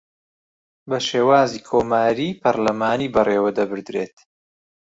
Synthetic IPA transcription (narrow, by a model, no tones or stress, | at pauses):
bɐʃeːwaːziːkʰoːmaːɾiːpʰɐɾlɐmaːniːbɐreːwɐd̪ɐbɨɾd̪ɾeːt̪